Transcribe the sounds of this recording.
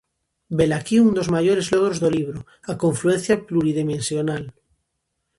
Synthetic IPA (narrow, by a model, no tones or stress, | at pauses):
belakiund̪ozmaʝoɾezloɣ̞ɾozðoliβ̞ɾo | akõɱfluẽn̟θjapluɾiðimẽnsjonal